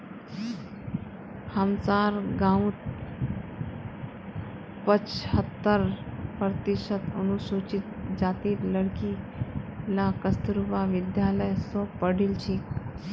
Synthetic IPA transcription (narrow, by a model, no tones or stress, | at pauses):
həmsaɾɡãũt̪̚ | pət͡ʃhət̪ːəɾpɾət̪iʃət̪ənusut͡ʃit̪̚d͡ʒat̪iːɾləɽki | lakəst̪ɾuʋaʋid̪jaləjsɔpəɽilt͡ʃʰik